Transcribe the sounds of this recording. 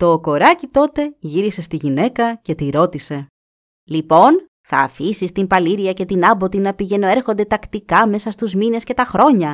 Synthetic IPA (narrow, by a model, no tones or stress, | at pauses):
t̪o̞ːko̞ɾɐcit̪o̞t̪e̞ʝiɾise̞st̪iʝine̞kɐce̞t̪iɾo̞t̪ise̞ | lipo̞n | θɐ̰ːfisist̪impɐliɾiɐce̞t̪inɐbo̞t̪inɐpiʝe̞no̞e̞ɾxo̞nd̪et̪ɐkt̪ikɐme̞sɐst̪uzmine̞sce̞t̪ɐxɾo̞ɲɐ